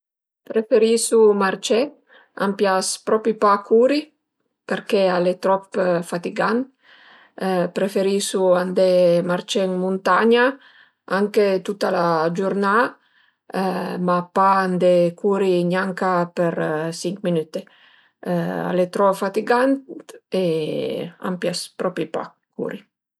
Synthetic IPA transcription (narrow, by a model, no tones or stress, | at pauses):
pɾefeɾisumaɾt͡ʃe | a̰mpjaspɾɔpipakʰuɾi | peɾkealet̪ɾɔpfat̪iɡant̪ | pɾefeɾisuand̪emaɾt͡ʃeŋmunt̪aɲa | aŋket̪ut̪alad͡ʒuɾna | mapaand̪ekʰuɾiɲaŋkapeɾsiŋkminyt̪e | a̰let̪ɾɔfat̪iɡant̪e | a̰mpjaspɾɔpipa̰ | kṵɾi